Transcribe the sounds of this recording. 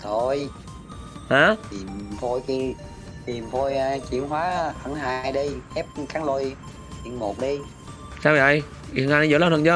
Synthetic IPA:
t̪ʰo˧˩j | ha˨˦t̪i˨˩mt̪ʰo˧jki˧ | t̪i˨˩mt̪ʰo˧jt͡ɕḭ˧˨ənhwaː˨˦˥hə˧˩˦ŋɦaː˧jɗi˧hɛ˦˥p̚kaː˨˦ŋlo˧j | t̪ḭ˧˩ənmo˨˩t̚ɗi˧ | saː˧wvə̰˧˨j | i˧˨˩ŋha˧na˧ə̰˧˥˦laː˧nt̪ʰɨ˨˩t͡ɕəː˧˦

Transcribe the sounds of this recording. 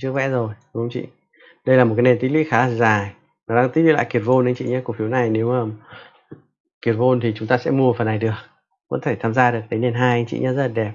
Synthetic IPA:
t͡ɕəvɛ̰˧˥zo˨˩jɗʊ˨˦ŋ͡mt͡ɕḭ˧˨ | ɗə˧jlaː˨˩mo˨˩kːne˨˧nt̪i˦˥lwḭ˧˥xaː˨˦˧zaː˨˩j | nɔ˨˦ɗaː˧ŋt̪i˦˥li˧˥˦la̰ː˧˨ki˨˩ət̚vo˧nʔə˨˧ŋt͡ɕḭ˧˨ɲaː˧ku˧˩əfi˨˦wna˨˩jne˨˦wəː˨˩ | ki˨˩ət̚vo˧nt̪ʰi˨˩t͡ɕʊ˨˦ŋ͡mt̪aː˧sɛ̰˧˥mu˧˨ə˨˩fə˨˩nːa˨˩jɗɨ˨˩ək̚ | və̰˧˥nt̪ʰe˧˩t̪ʰaː˧mzaː˧ɗɨ˨˩ək̚t̪e˨˦ne˧˩nɦaː˧jʔa˧ŋt͡ɕḭ˧˨ɲaː˨˧zə˦˥t̚la˨˩ɗɛ˨˩p̚

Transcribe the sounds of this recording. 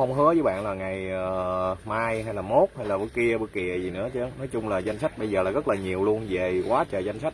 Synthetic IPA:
hə˧wŋ͡mɦɨ˨˦əzəː˨˦jɓa̰ː˧˨nlaː˨˩ŋa˨˩jəː˨˩maː˧jɦa˧jlaː˨˩mo˦˥t̚ha˧jlaː˨˩ɨ̰˨˧˦ki˧əɓɨ˧kḭ˨˩˨əzi˨˩nɨ̰˧˥ət͡ɕɨ˨˧˦nɔ˨˦jt͡ɕʊ˧ŋ͡mlaː˨˩za˧jŋ̟sa˦˥k̟̚ɓə˧jzəː˨˩laː˨˩ɣə˦˥t̚laː˨˩ɲi˨˩əwlu˧ənze˨˩kwaː˨˦t͡ɕəː˨˩za˧jŋ̟sa˦˥t̚

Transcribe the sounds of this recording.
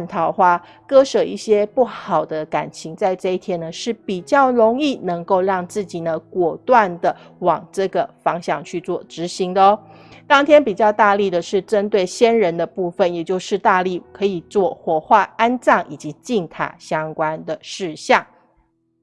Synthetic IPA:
nt̪ʰɑ˧˩ʊxwa˥˩ | kɤ˥ʂɤ˨˩i˥˩ɕjɛ˥pu˥˩xɑ˨˩ʊd̪ə˦ka˨˩nt͡ɕʰi˧˥ŋt͡sa˥˧ɪʈ͡ʂɤ˥˧i˥˩t̪ʰjɛ˥nːə˨ʂɻ̩˥˩pi˨˩t͡ɕjɑ˥˩ʊɻo˧˥ŋi˥˩nɤ˧˥ŋko˥˧ʊɻɑ˥˧ŋt͡sɹ̩˥˩t͡ɕi˨˩nə˦kwɔ˨˩t̪wa˥˩nd̪ə˩wɑ˨˩ŋʈ͡ʂɤ˥˩ɡə˩fɑ˧˥ŋɕjɑ˥˩ŋt͡ɕʰy˥˧t͡swɔ˥˩ʈ͡ʂɻ̩˧˥ɕi˧˥ŋd̪ə˧˦ | t̪ɑ˥ŋt̪ʰjɛ˥npi˨˩t͡ɕjɑ˥˧ʊt̪a˥˧li˥˩d̪ə˩ʂɻ̩˥˩ʈ͡ʂə˦˥nt̪we˥˩ɪɕjɛ˥nɻə˧˥nd̪ə˧pu˥˧fə˨˩njɛ˨˩t͡ɕjo˥˧ʊʂɻ̩˥˧t̪a˥˧li˥˩kʰɤ˧˥i˨˩t͡swɔ˥˩xwɔ˨˩xwa˥˩a˥nt͡sɑ˥˩ŋʔi˨˩t͡ɕi˧˥t͡ɕi˥˩ŋt̪ʰa̰˨˩ɕjɑ˥ŋkwa˦nd̪ə˨˩ʂɻ̩˥˧ɕjɑ˥˩ŋ

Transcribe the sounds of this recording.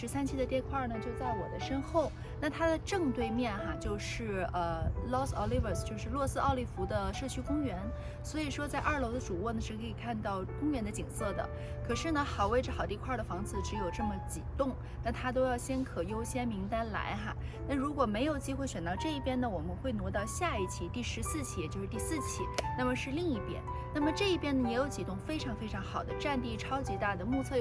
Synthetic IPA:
ʂɻ̩˧˥sa˥nt͡ɕʰi˥d̪ə˨˩t̪jɛ˥˧nkʰwa˥˩nə˩t͡ɕjo˥˧ʊt͡sa˥˩ɪwɔ̰˨˩d̪ə˦ʂə˥nxo˥˩ʊ | na˥˩t̪ʰa˥d̪ə˨ʈ͡ʂɤ˥˧ŋt̪we˥˧ɪmjɛ˥˩nxa˧˩t͡ɕjo˥˧ʊʂɻ̩˥˩ə˧lɔ˥sɔ˥li˥və˨˩st͡ɕjo˥˧ʊʂɻ̩˥˧lwɔ˥˩sɹ̩˥ʔɑ˥˧ʊli˥˩fu˧˥d̪ə˧ʂɤ˥˩t͡ɕʰy˥kʊ˥ŋɥɛ˧˥n | swɔ˧˥i˨˩ʂwɔ˥t͡sa˥˧ɪʔɐ˞˥˩lo˧˥ʊd̪ə˧ʈ͡ʂu˨˩wɔ˥˩nə˩ʂɻ̩˥˩kʰɤ˧˥i˨˩kʰa˥˧nt̪ɑ˥˩ʊkʊ˥ŋɥɛ˧˥nd̪ə˧t͡ɕi˨˩ŋsɤ˥˩d̪ə̰˩ | kʰɤ˨˩ʂɻ̩˥˩nə˩xɑ˨˩ʊwe˥˩ɪʈ͡ʂə˩xɑ˨˩ʊt̪i˥˧kʰwa˥˩d̪ə˩fɑ˧˥ŋt͡sʰɹ̩˧˩ʈ͡ʂɻ̩˧˥jo˨˩ʊʈ͡ʂɤ˥˩mə˩t͡ɕi˨˩t̪ʊ˥˩ŋ | na˥˩nt̪ʰa˥t̪̬o˥ʊjɑ˥˩ʊɕjɛ˥nkʰɤ˨˩jo˥ʊɕjɛ˥nmi˧˥ŋt̪a˥nla̰˧˥ɪxa̰˧ | na˥˩ɻu˧˥kwɔ˨˩me˧˥ɪjo˨˩ʊt͡ɕi˥xwe˥˩ɪɕɥɛ˨˩nt̪ɑ˥˧ʊʈ͡ʂɤ˥˧i˥˩pjɛ˥nə˨˩wɔ˨˩mə˦nxwe˥˩ɪnwɔ˧˥t̪ɑ˥˧ʊɕja˥˧i˥˩t͡ɕʰi˧˥t̪i˥˩ʂɻ̩˧˥sɹ̩˥˧t͡ɕʰi˥˩jɛ˨˩t͡ɕjo˥˧ʊʂɻ̩˥˧t̪i˥˧sɹ̩˥˩t͡ɕʰḭ˥˩na˥˩mə˩ʂɻ̩˥˧li˥˧ŋi˥˩pjɛ̰˥n | na˥˩mə˩ʈ͡ʂɤ˥˧i˥˩pjɛ˥nə˨˩jɛ˧˥jo˧˥t͡ɕi˨˩t̪ʊ˥˩ŋfe˥ɪʈ͡ʂʰɑ˧˥ŋfe˥ɪʈ͡ʂʰɑ˧˥ŋxɑ˨˩ʊd̪ə˦ʈ͡ʂa˥˧nt̪i˥˩ʈ͡ʂʰɑ˥ʊt͡ɕi˧˥t̪a˥˩d̪ə˩mɔ˥˧t͡sʰɤ˥˩

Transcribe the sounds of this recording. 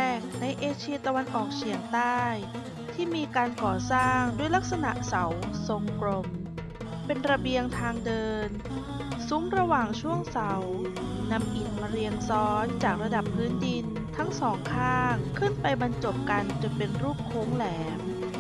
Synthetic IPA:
ɛː˥˩ŋna˧jʔeː˧t͡ɕʰi˧ɐt̪a˧wa˧nʔɔː˨˩k̚t͡ɕʰi˨˩˦əŋt̪aː˥˩j | t̪ʰiː˥˩miː˧kaː˧nkɔː˨˩saː˥˩ŋdu˥˩əjla˦˥k̚sa˧na˨˩ʔsa˩˦wso˨˩ŋklo˨˩m | pe˧nɾa˧bi˧əŋt̪ʰaː˧ŋdɤː˧n | su˨˦˥ŋɾa˧waː˨˩ŋt͡ɕʰu˥˩əŋsa˩˦wna˧mʔi˨˩n̚maː˧ɾi˧əŋsɔː˦˥nt͡ɕaː˨˩k̚ɾa˧da˨˩pʰːɯː˦˥ndi˧n | t̪ʰa˦˥ŋsɔː˩˦ŋkʰaː˥˩ŋkʰɯ˥˩npa˧jba˧nt͡ɕo˨˩p̚ka˧nt͡ɕɯ˨˩pe˧nɾuː˥˩p̚kʰːoː˨˦˥ŋlɛː˩˦m

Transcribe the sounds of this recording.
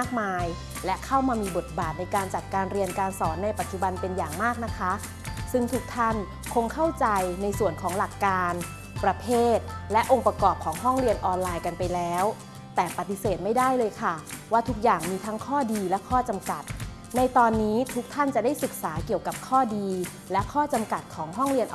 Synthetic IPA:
aː˥˩k̚maː˧j | lɛ˦˥kʰa˥˩wmaː˧miː˧bo˨˩t̪̚baː˨˩t̪̚na˧jkaː˧nt͡ɕa˨˩t̪̚kaː˧nɾi˧ənkaː˧nsɔː˩˦nːa˧jpa˨t̪̚t͡ɕu˨˩ba˧npe˧njaː˨˩ŋmaː˥˩k̚na˦˥kʰa˦˥ | sɯ˥˩ŋt̪ʰu˦˥k̚t̪ʰa˥˩n | kʰo˧ŋkʰa˥˩wt͡ɕa˧jna˧jsu˨˩ənkʰɔː˩˦ŋla˨˩kːaː˧n | pɾa˧pʰeː˥˩t̪̚lɛ˦˥ʔo˧ŋpa˧kɔː˨˩p̚kʰɔː˩˦ŋɦɔ˥˩ŋɾi˧ənʔɔː˧nlaː˧jka˧npa˧jlɛː˦˥w | t̪ɛː˨˩pa˨˩t̪ːi˨˩seː˨˩t̪̚ma˥˩jdaː˥˩jlɤː˧jkʰa˥˩waː˥˩t̪ʰu˦˥k̚jaː˨˩ŋmiː˧t̪ʰa˦˥ŋkʰɔː˥˩diː˧lɛ˦˥kʰɔː˥˩t͡ɕa˧mka˨˩t̪̚ | na˧jt̪ɔː˧nːiː˦˥t̪ʰu˦˥k̚t̪ʰa˥˩nt͡ɕa˨˩da˥˩jsɯ˨˩k̚saː˩˦ki˨˩əwka˨˩p̚kʰɔː˥˩diː˧ | lɛ˦˥ʔkʰɔː˥˩t͡ɕa˧mka˨˩t̪̚kʰɔː˩˦ŋɦɔ˥˩ŋɾi˧ənʔ

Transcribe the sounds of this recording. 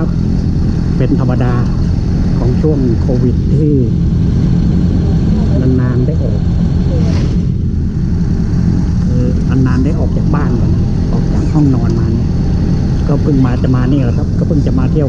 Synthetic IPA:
a˥˩p̚ | pe˧nt̪ʰa˧mːa˧daː˧ | kʰɔː˩˦ŋt͡ɕʰu˥˩əŋkʰoː˧wi˨˩t̪ʰːiː˥˩ | ʔa˧nːaː˧ndaː˥˩jʔɔː˨˩k̚ː | kʰɯː˧ | ʔa˧nːaː˧nda˥˩jʔɔː˨˩k̚t͡ɕaː˨˩k̚baː˥˩n˧˩˨na˧˥˩ | ʔɔː˨˩k̚t͡ɕaː˨˩k̚hɔ˥˩ŋnɔː˧nmaː˧ni˧˥˩ | kɔː˥˩pʰɯ˥˩ŋmaː˧t͡ɕa˨˩ʔmaː˧niː˧˩lːkʰa˦˥p̚kɔː˥˩pɯ˥˩ŋt͡ɕa˨˩maː˧t̪ʰi˥˩ə

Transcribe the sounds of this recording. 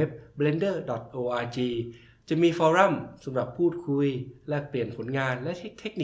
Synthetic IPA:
e˦˥p̚ble˧ndɤː˥˩dɔ˨˩t̪̚ʔoː˧ʔaː˧t͡ɕiː˧ | t͡ɕa˨˩miː˧fɔː˧ɾa˥˩msa˨˩˦mɾa˨˩pʰːuː˥˩t̪̚kʰu˧jlɛ˦˥pli˨˩ənpʰo˩˦nŋaː˧nlɛ˦˥ʔt̪ʰe˦˥k̚t̪ʰe˦˥k̚ni˨

